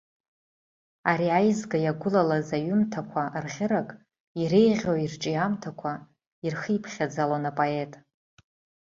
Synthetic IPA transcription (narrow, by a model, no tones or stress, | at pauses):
aɾiajzɡajaɡʷʊlalazaɥʏmtʰakʷʰarʁʲɪɾakʼ | iɾejʁʲoirʈ͡ʂʼijamtʰakʷʰa | irxijpʰχʲad͡zalanapʼoe̞tʼ